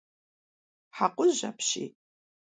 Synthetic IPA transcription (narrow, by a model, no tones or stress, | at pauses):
ħaqʷʊzʒa̰pʰʃḭː